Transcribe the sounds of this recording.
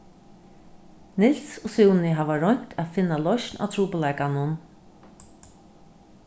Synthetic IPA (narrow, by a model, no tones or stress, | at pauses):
nɪlsɔsuwnɪɦaːvaɾɔɲ̥t̪ʰafɪnːalɔʃnʔa̰t̪ʰɾuːpəlaːjkanʊn